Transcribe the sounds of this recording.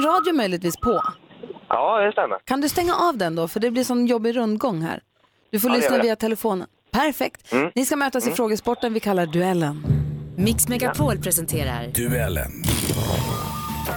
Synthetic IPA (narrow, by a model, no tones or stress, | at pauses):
ɾɑːd̪jʊmœjlɪɡt̪viːspʰɔ | ʔɑːdɛst̪ɛmːa̰kʰand̪ɵst̪ɛŋːaʔavd̪ɛnd̪ɔfœɖɛblɪʂɔnjɔbːɪɾɵnd̪ɡɔŋːɦæ̰ːɾ | d̪̥ɵfoɭʏsnaviːat̪ʰɛlɛfoːnə̰npʰæɾfɛk̚t̪nɪskamøːt̪asɪfɾoːɡəspɔʈːənvɪkʰalːaɖɵɛlːənmɪksmɛkapʰɔlpʰɾɛsɛnt̪ʰeːɾa̰ɾd̪̥ʉɛlːə̰n